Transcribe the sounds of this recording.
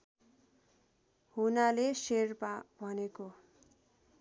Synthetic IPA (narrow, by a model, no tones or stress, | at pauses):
hunaleserpabʱʌneko